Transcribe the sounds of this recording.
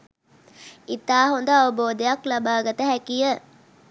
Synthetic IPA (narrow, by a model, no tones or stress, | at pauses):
it̪aːɦond̪əaʋəboːd̪ejaklabaːɡət̪əɦækijə